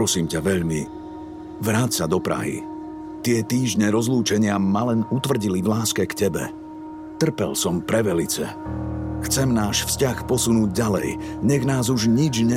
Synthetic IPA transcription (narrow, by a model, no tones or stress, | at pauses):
ɔsiːmcaʋɛʎmi | ʋɾaːt͡ssad̪ɔpɾa̰ɦḭ | t̪ɪɛt̪iːʒɲɛɾɔzluːt͡ʃɛɲɪamalɛnut̪ʋr̩ɟilivlaːskɛkcɛbɛ̰ | t̪r̩pɛ̰lsɔmpɾɛʋɛlit͡sɛ̰ | xt͡sɛmnaːʃfscaxpɔsunuːɟ̚ɟalɛ̰jɲɛɣnaːzuʒɲid͡ʒɲɛ